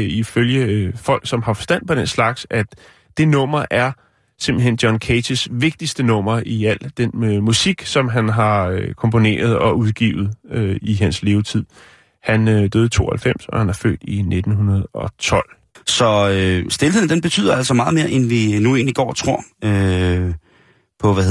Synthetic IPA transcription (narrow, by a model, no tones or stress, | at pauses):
iføljəfɒ̽l̰ɡ̥sɒ̽mhɑ̈fɒ̽sd̥æn̰̥pʰɒ̽d̥enslɑ̈ɡ̥sæ | d̥e̝nɔ̽m̰ɐʔæɐ | se̝mb̥l̩ɦen̰d̥jɒnkʰesisʋe̝ɡ̥̚d̥isd̥ənɔ̽m̰ɐiæl̰d̥enmusiɡ̥sɒ̽mɦænɦɑ̈økʰɒ̽mpʰo̝ne̝̰ːɐð̞ˠɒ̽ʔuðˠɡ̥ḭːʊð̩ˠøiɦænsle̝ːʊt͡sʰið̰ˠ | hænød̥øːð̩ˠt͡sʰo̝̰ːhælfem̰sɒ̽hænɑ̈fø̰ːd̥ine̝d̥n̩ɦunɐð̞̩ˠɒ̽t͡sʰɒ̽l̰ | sɒ̽øsd̥e̝lɦe̝̰n̩d̥enb̥e̝t͡sʰy̰ːðˠɐæl̰sɒmɑ̈ːð̩ˠme̝ːɐʔenʋinue̝̰ːnliɡ̥ɒ̰ːt͡sʰʁo̝ɐ̰ø | pʰɒ̽ʋæ